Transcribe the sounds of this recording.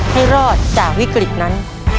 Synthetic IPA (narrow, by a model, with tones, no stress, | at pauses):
ha˥˩jɾɔː˥˩t̪̚t͡ɕaː˨˩k̚wi˦˥kɾi˨˩t̪̚na˦˥n